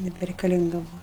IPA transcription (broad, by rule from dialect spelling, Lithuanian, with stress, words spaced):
nʲɛbʲɛrʲɛɪkɐˈlʲɪŋɡɐ ˈbʊʋɐ